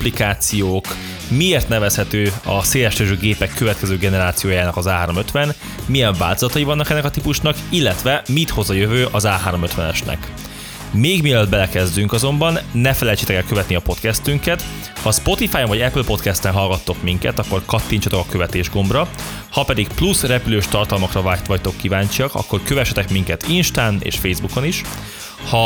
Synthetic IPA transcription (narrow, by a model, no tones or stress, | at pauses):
plikaːt̪sijoːk | mieːrt̪nɛvɛshɛt̪øːɒseːlɛʃt̪øːʒøːɡeːpɛkːøvɛt̪kɛzøːɡɛnɛɾaːt̪sijoːjaːnɒkɒzaːɦaːɾo̞mø̞t̪ʋɛn | mijɛɱva̰ːlt̪ozɒt̪ɒjivɒnːɒkɛnːɛkɒt̪ipuʃnɒkilːɛt̪ʋɛmit̪ho̞zɒjøvøːʔɒzaːɦaːɾo̞møt̪ʋɛnɛʃnɛ̰k | meːɡmiɛlød̪̚bɛlɛkɛzd̪yŋkɒzo̞mbɒnːɛfɛlɛjt͡ʃet̪ɛkɛlkøvɛt̪niɒpo̞t̪kɛst̪yŋkɛt̪ | hɒspo̞t̪ifaːjoɱvɒɟɛplpo̞t̪kɛst̪ɛnɦɒlɡɒt̪ːo̞kmiŋkɛ̰t̪ɒkːo̞rkɒt̪ːiɲt͡ʃɒt̪okɒkø̞vɛt̪eːʒɡo̞mbrɒ | hɒpɛd̪ikplusrɛpyløːʃt̪ɒrt̪ɒlmɒkrɒvaːt̪ʋɒct̪o̞kːivaːɲt͡ʃiɒkɒ̰kːo̞rkøvɛʃɛt̪ɛkmiŋkɛt̪inʃt̪aːnḛːʃfeːjzbuko̞niʃ | hɒ